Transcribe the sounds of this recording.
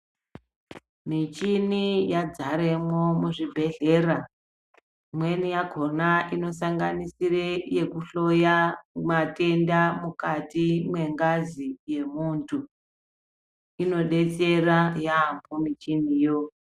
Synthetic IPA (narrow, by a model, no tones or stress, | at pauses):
mit͡ʃinijad͡zaɾemwomuʐibʱe̞ɮe̞ra | mwe̞nijaɡʱo̞naʔino̞saŋɡanisireje̞kuɬo̞jamate̞ndamukatimwe̞ŋɡazije̞muːntʰu | ino̞ɗe̞t͡se̞rajambomit͡ʃinijo̞